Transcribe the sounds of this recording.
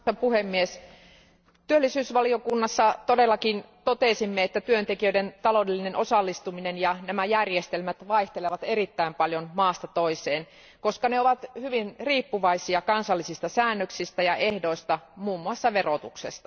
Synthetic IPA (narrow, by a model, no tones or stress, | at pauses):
ɑpuhemːies | t̪yølːisyːsʋɑliokunːɑsːɑt̪odelːɑkint̪ot̪esimːeet̪ːæt̪yønt̪ekiøident̪ɑlo̞ˑdelːinenʔo̞sɑlːist̪uminenjɑnæmæjærjest̪elmæt̪ʋɑiht̪eleʋɑt̪erit̪ːæimpɑljonmɑːst̪ɑt̪oiseːn | ko̞skɑneoʋɑt̪hyʋinriːpːuʋɑisiɑkɑnsɑlːisist̪ɑsæːnːøksist̪æjɑʔehdo̞ist̪ɑmuːmːuɑsːɑʋerot̪uksest̪ɑ